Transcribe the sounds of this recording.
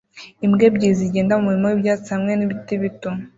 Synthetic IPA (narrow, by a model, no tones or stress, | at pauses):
imɡe̞bɟiziɟeːndamumuɾimowibjaːt͡sihamŋe̞niβitiβito